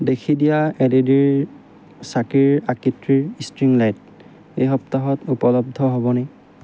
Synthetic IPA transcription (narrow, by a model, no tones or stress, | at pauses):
dekʰidijaɛdediɹ | sakiɹakitɹiɹistɹiŋlajt̚ | ejɦɔp̚taɦɔtupɔlɔb̚dʱɔɦɔbɔnɛ